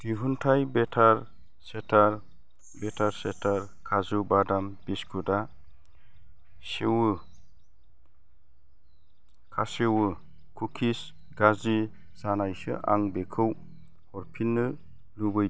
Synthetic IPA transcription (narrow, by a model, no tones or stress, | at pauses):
diɦuntʰajbetʰaɾ | setʰaɾ | bɛtʰaɾsetʰaɾ | kʰazɯbadamb̥iskʰuda | sewɯ | kʰasewɯ | kʰukʰis | ɡazi | sanajsɯ̰ʔa̰ŋbekʰɯw | hɔɾpʰinːɯ | lubɯj